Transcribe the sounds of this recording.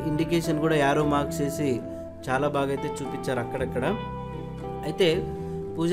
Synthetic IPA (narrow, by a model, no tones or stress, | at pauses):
iɳɖikeːʃɐnkuːɽaːjaːɾoːmaːkt͡ʃe̞ːsi | t͡ʃaːlaːbaːɡɐjt̪e̞ːt͡ʃuːpit͡ʃːaːɾɐkːɐɽɐkːɐɽa | ɐjt̪e̞ː | puːd͡ʒ